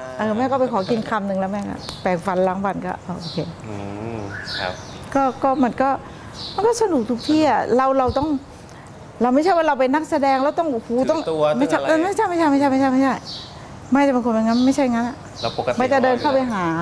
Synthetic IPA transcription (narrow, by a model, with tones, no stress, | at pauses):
ʔɤː˨˩mɛː˧˥˩kɔː˥˩pa˧jkʰɔː˩˦ki˧nkʰa˧mnɯ˨˧ŋlɛ˦˥wmɛː˥˩kɔ̰˥˩pɛː˨˩ŋfa˨˦nlaː˨˦ŋwa˧nkɔ̰ː˧˥˩ʔaː˧˩ʔoː˨˧kʰeː˧ | kɔː˥˩kɔː˥˩ma˧˥nkɔː˥˩ | ma˧nkɔː˥˩sa˧nu˨˩k̚t̪ʰu˨˧˩k̚t̪ʰiː˥˩ʔa˨˩ɾa˧wɾa˧wt̪ɔ˥˩ŋ | ɾa˧wma˥˩jt͡ɕʰa˥˩jwaː˥˩ɾa˧wpe˧nːa˦˥k̚sa˧dɛː˧ŋɾa˧˥˩wt̪ɔ˥˩ŋʔhuː˧˩˦t̪ɔ˥˩ŋ˧ma˥˩jt͡ɕa˥˩ʔaː˧˩ma˥˩jt͡ɕʰa˥˩jma˥˩jt͡ɕʰa˥˩jma˥˩t͡ɕʰm˥˩t͡ɕʰa˥˩jma˥˩a˥˩ | ma˥˩t͡ɕa˨˩pe˧nkʰo˧na˧˩ŋa˦˥˩nma˥˩jt͡ɕʰa˥˩jŋa˦˥nʔa˨˩ʔ | ma˧˥˩t͡ɕa˨˩dɤː˧nkʰa˥˩wpa˧jɦaː˩˦